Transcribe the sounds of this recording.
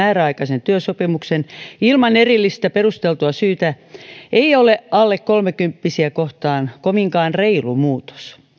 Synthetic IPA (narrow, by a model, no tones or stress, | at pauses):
æːɾæɑikɑsent̪yøsopimuksenilmɑnerilːist̪æperust̪elt̪uɑsyːt̪æ | ʔeioleʔɑlːekkolmekympːisiækoht̪ɑːnkomiŋkɑːnreilumuːt̪o̥s